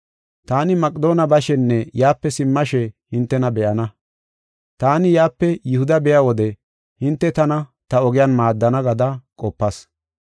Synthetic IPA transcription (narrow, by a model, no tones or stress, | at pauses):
t̪aːnɪmɐkʼd̪o̞ːnɐbɐʃɛnːɛjaːpːɛsɪmːɐʃɛhɪnt̪ːɛnɐbɛʔɐnɐ | t̪aːnɪjaːpːɛjɪhʊd̪ɐbɛjawɔd̪ɛ | hɪnt̪ːɛt̪ɐnɐt̪ɐɔɡɪjaːnmaːd̪ːɐnɐɡɐd̪ɐkʼɔpːɐs